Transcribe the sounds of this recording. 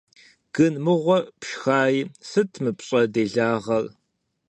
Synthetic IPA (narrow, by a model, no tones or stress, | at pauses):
ɡ̥ɨnmɨʁʷɔpʃxaːjisɨtʰmɨpɕʼɐdeːɮaːʁɐr